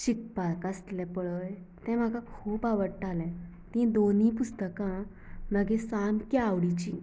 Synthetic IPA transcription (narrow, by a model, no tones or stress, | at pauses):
ɕik̚paɭkast̪lɛ̃pəɭəj | t̪ɛ̃m̤akãkʰuːpaʋəɽʈalɛ̃ | t̪ĩd̪onĩpust̪əkã | məɡesamkiaʋɽit͡ɕḭ̃